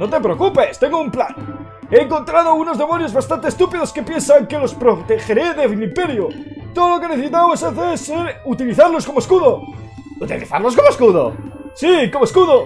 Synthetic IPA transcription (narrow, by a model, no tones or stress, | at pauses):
no̞t̪epɾeokupe̞st̪e̞ŋɡoumpla̰n | e̞ːŋko̞nt̪ɾað̞ouno̞zðe̞mo̞njo̞zβast̪ant̪est̪upiðo̞ske̞pje̞nsaŋke̞lo̞spɾot̪exeɾe̞ðeilimpe̞ɾjot̪oðolo̞keneθesit̪awesaθeɾseɾut̪iliθaɾlo̞sko̞moeskuðo̞ | ut̪iliθa̰ɾlo̞sko̞moeskuðo̰siko̞moskuðo